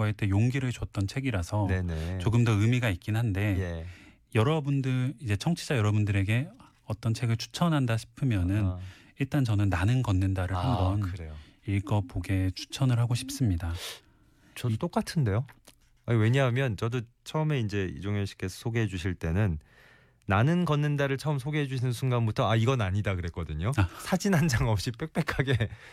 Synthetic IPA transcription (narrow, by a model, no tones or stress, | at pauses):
aet͈ejoŋɡiɾɯɭt͡ɕwʌt͈̚ʌnt͡ɕʰe̞ɡiɾasʰʌnenet͡ɕoɡɯmdʌɯmiɡaik͈̚inɦande̞je | jʌɾʌbundɯid͡ʑe̞t͡ɕʰʌŋt͡ɕʰid͡ʑajʌɾʌbundɯɾe̞ɡe̞ | ʌt͈ʌnt͡ɕʰe̞ɡɯɭt͡ɕʰu̥t͡ɕʰʌnɦandaɕʰi̥pʰɯmjʌnɯn | iɭt͈ant͡ɕʌnɯnːanɯnɡʌnːɯndaɾɯɭhambʌnɯɾejoiɭɡʌpoɡe̞t͡ɕʰu̥t͡ɕʰʌnɯɭhaɡoɕʰi̥p̚s͈ɯmɲida | t͡ɕʌdt͈ok͈atʰɯnde̞jo | awe̞ɲaɦamjʌnt͡ɕʌdo | t͡ɕʰʌɯme̞ind͡ʑe̞ḭd͡ʑoŋjʌɕʰi̥k͈ʰe̞sʰʌsʰoɡeɦe̞d͡ʑuɕʰiɭt͈e̞nɯnː | anɯnɡʌnːɯndaɾɯɭt͡ɕʰʌɯmsʰoɡeɦe̞d͡ʑuɕʰinɯnsʰunɡanbutʰʌaiɡʌnaɲidakɯɾe̞k͈ʌdɯɲosʰad͡ʑinɦand͡ʑaŋʌp̚ɕ͈ip͈ek̚p͈e̞kʰaɡe̞